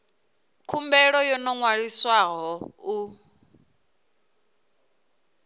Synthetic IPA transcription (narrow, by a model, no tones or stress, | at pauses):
kʰumbɛɺɔjɔnɔŋwaɺiswaɣɔu